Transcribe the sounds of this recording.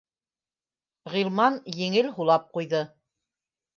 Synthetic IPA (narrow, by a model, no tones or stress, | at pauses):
ʁilˠmɑnjɘ̆ŋɘlɦulˠɑp̚qujðɤ